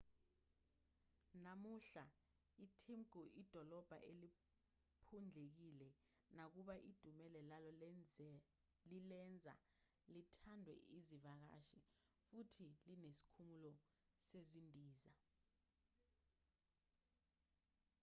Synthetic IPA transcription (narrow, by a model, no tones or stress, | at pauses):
namuɬa | itʰimɡuʔid̥ʱɔlɔb̥ʱa̰ʔeli | pʰund͡ɮʱek̬ilɛ | nak̬uɓaʔid̥ʱumɛlɛlalɔ | lilɛnd͡zʱa̰ | litʰandʱwɛ̰ʔizivak̬a̰ʃi | futʰilinesi̥kʰumulɔ | sezindʱiːza